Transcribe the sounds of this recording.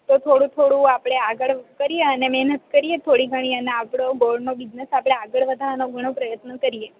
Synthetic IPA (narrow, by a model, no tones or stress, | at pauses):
t̪ot̪ʰoɽũt̪ʰoɽũapɽ̃eaɡəɭkəɾijeənemɛɦnət̪kəɾiet̪ʰoɽiɡʱəɽ̃iəneapɽoɡolɖnobid͡ʒnesapɽ̃eaɡəɭʋəd̪ʱaɾnoɡʱəɽ̃õpɾəjət̪nəkəɾije